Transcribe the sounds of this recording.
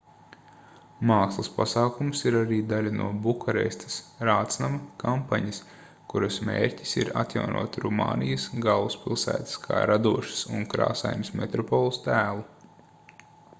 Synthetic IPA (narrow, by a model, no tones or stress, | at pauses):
maːkslˠɐspasaːkumsiɾaɾiːd̪alʲɐnʔṵɔbukaɾɛ̰st̪ʰɐ̥sɾaːt̪snamɐkampaɲɐs | kuɾɐsmʲḛːɾʲcʲi̥siɾa̰t̪ja̰wnʔṵɔt̪ɾuma̰ːnijɐsɡalˠuspʲilˠsæ̰ːt̪skʰa̰ːɾad̪uɔʃɪ̥suŋkɾa̰ːsa̰jnʲismet̪ɾɔpɔlˠust̪æːlˠu